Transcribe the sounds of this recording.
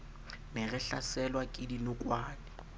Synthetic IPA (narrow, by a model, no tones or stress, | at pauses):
nɛɣɛɬasɛlwakʼɪdinʊkʼwaːnɪ